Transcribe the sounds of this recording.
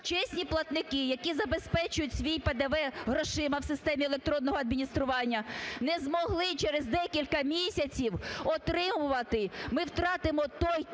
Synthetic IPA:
t͡ʃɛsʲnʲiplˠɐt̪nɪkɪjɐkizɐbespɛt͡ʃʊjʊtʲsʲʋʲijped̪ɐʋɛɦɾɔʃɪmɐwsɪst̪ɛmʲielˠek̚t̪ɾɔnːɔɦɔɐd̪mʲinʲist̪ɾʊʋɑnʲːɐnɛzmɔɦlˠɪt͡ʃɛɾezd̪ɛkʲilʲkɐmʲisʲɐt͡sʲiwɔt̪ɾɪmʊʋɐt̪ɪmɪwt̪ɾɑt̪ɪmɔt̪ɔj

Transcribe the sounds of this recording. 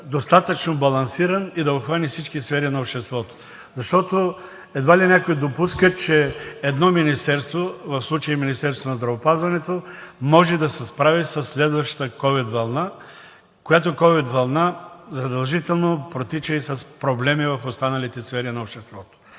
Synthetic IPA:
d̪ost̪at̪ət͡ʃnobɐlˠɐnsiɾɐnid̪ɐopxvanifsit͡ʃkisfɛɾinɐoʃt̪ɛst̪vɔt̪o̥ | zɐʃt̪ɔt̪o | ɛd̪valinʲakojɛd̪opuskət͡ʃɛɛd̪nɔminist̪ɛɾst̪vovɐfslˠut͡ʃəjiminist̪ɛɾst̪vonɐzd̪ɾɐvopazvɐnɛt̪omɔʒɛd̪ɐsɛspɾavisɐsːlɛd̪vɐʃt̪ə̥t̪əkɔvid̪vɐlˠna | kojat̪okɔvid̪vɐlˠnazɐd̪ɐlˠʒit̪ɛlˠnopɾot̪it͡ʃəisɐspɾoblɛmivɐfost̪anɐlit̪ɛsfɛɾinɐoʃt̪ɛst̪vɔt̪o̥

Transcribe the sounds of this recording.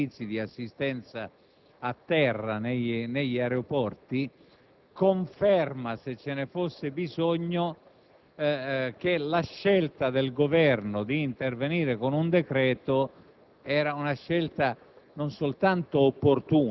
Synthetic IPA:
it̪sːid̪iasːist̪ɛnt̪sa | at̪ːɛrːaneineʎːaɾeopɔrt̪i | koɱfɛrmaset͡ʃːenefosːɪbizoɲːo | k̟elaʃːɛlt̪ad̪elɡovɛrnod̪iːnt̪erveniːɾekonund̪ekɾɛːt̪o | ɛːɾaunaʃːɛlt̪a | nonsolt̪ant̪oːpːort̪uː

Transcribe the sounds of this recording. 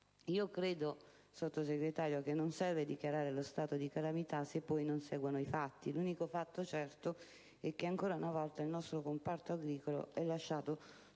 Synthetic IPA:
iːokɾeːd̪o | sot̪ːoseɡɾet̪aːɾjok̟enːonsɛrved̪ikjaɾaːɾelost̪aːt̪od̪ikalamit̪asepːɔjnonsɛːɡwanoifat̪ːiluːnikofat̪ːot͡ʃɛrt̪o | ɛk̟ːeaŋkoːɾaunavɔlt̪ailnɔst̪ɾokompart̪oaɡɾiːkolo̰ʔɛlːaʃːaːt̪o

